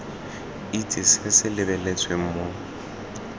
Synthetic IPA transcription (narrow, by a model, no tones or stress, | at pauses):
itʼɪsɪsɪlɪbɛlet͡sʼweŋ̩mo